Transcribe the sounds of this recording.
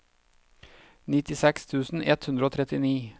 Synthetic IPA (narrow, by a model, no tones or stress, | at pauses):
nɪt̪ɪsɛkst̪ʰʉːsn̩ʔɛt̪hʉnd̪ɾəoːt̪ʰɾɛt̪ɪniː